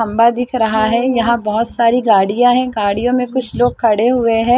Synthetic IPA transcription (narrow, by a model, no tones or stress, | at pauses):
ɐ̃mbad̪ɪkʰɾɐɦaɦɛjɐɦãbɐɦʊt̪saːɾiɡaːɽijãɦɛ̃ɡaːɽijõmẽkʊt͡ʃʰloːɡ̚kʰɐɽeɦʊeɦɛ̃ː